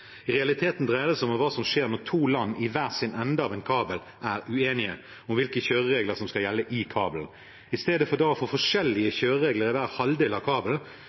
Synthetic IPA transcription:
ʁɛɑlɪt̪ʰeːt̪n̩d̪ʁæːd̪əsɔmɔʋɑːsɔmʂeːɾmɔt̪ʰuːlɑnːɪʋæːʁsɪnɛnd̪əɑʋɛnkʰɑːbəl | ʔæɾʉeːnɪə | ɔmʋɪlkəçøːɾəʁeːɡləʁsɔmskɑljɛlːəʔɪkʰɑːbəln̩ | ɪst̪eːd̪əfɔʁd̪ɑːɔfɔfɔʂɛlːɪəçøːɾəɾeːɡləɾɪʋæːʁhɑld̪eːlɑʋkʰɑːbəl

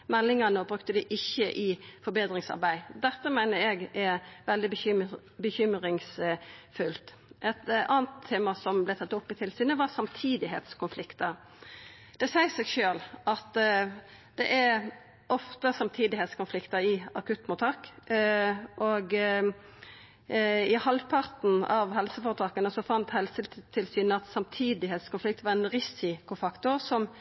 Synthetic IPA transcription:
mɛlːɪŋɑnəɔbɾʉkt̪əd̪ɪʔɪçːəʔɪfɔɾbeːd̪ʁɪŋsɑ̰ɾbæɪd̪ɛt̪ːəmæɪnəɾɛɡæʋɛld̪ɪb | bəçʏmɾɪŋsfʉlt̪ | ʔɛt̪ɑːɑnt̪ʰːeːmɑsɔmblæɪt̪ɑt̪ːʊpːɪt̪ʰɪlsyːnəʋɑsɑmt̪ʰiːd̪ɪɦḛːt̪skʰʊnflɪkt̪əɾ | d̪̥ɛsæɪsɛɡʃøːlʔɑt̪ | d̪̥ɛʔæɾ | ʔɔft̪əsɑmt̪ʰiːd̪ɪhɛːt̪skʊnflɪkt̪əɾɪɑkʉt̪ːmʊt̪ʰɑːk | ʔoɡ | ɪhɑlpʰɑʁt̪n̩ɑʋɦɛlsəfoːʁət̪ʰɑːkənəsɔfɑnt̪hɛlsət̪ʰɪlsyːnəɑt̪sɑmt̪ʰiːd̪ɪɦeːt̪skʊnflɪk̚t̪ʋɑʁɛnʁɪsɪkʊfɑkt̪ʊʁsɔm

